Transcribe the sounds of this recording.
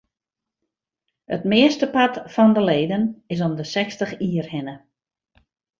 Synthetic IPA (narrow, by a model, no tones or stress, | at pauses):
ətmɪəstəpatfɔndəleːdənɪs̬ɔmdəsɛkstəχiːərhɪnə